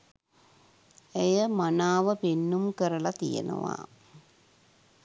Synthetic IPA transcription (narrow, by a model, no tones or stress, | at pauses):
ejɐmɐnaːʋɐpinːumkɐɾɐɭɐt̪ijɐ̰nɐ̰ʋa̰ː